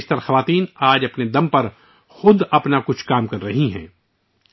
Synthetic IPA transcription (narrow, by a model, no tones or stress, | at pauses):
st̪ɐɾxɐʋaːt̪iːnaːd͡ʒɐpned̪ɐmpɐɾ | xʊd̪ɐpnakʊt͡ʃʰkaːmkɐɾːɐɦiɦɛ̰̃ː